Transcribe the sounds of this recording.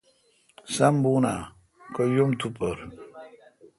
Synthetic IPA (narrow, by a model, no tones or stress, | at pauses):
sɐmbuːna | kojumt̪upəɾ